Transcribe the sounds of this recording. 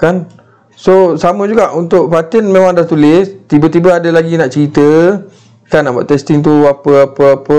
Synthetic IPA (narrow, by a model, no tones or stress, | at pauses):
kan | sosamə̃d͡ʒuɡaʔunt̪ʊʔpat̪ɛnmẽmãŋdaht̪ulɪst̪ibət̪ibəadəlaɡinaʔt͡ʃəɾit̪ə | kanaʔbua̰ʔt̪ɛst̪ɪŋt̪uapəapəapə